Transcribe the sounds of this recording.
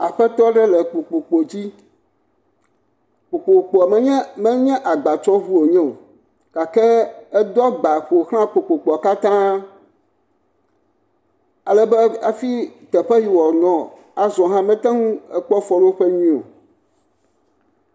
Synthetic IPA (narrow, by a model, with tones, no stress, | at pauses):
a˨ɸɛ˦t̪ɔ˦ɖɛ˦lɛ˨k͡po˨k͡po˨k͡po˨d͡ʑi˦ | k͡po˨k͡po˨k͡po˨mɛ˦ɛ˦mɛ̃˦ɲɛ̃˦ʔa˨ɡ͡ba˨t͡ʃɔ˦βu˦o˨ɲɛ̃˦o˨ | ka˨ke˦ɛ˦d̪ɔ˦ɡ͡ba˨ɸo˨xl̃ã˦k͡po˨k͡po˨k͡pɔ˨ka˦t̪ã˦ | a˨lɛ˦bɛ˦a˨fi˦t̪ɛ˨ɸɛ˦ji˨wɔ˨nɔ̃˨ | a˨zɔ̃˨ɦã˦mɛ̃˦t̪ɛ̃˦ŋũ˦ɛ˦k͡pɔ˦fɔ˦lo˦ɸɛ˦ɲĩ˦˨o̰˨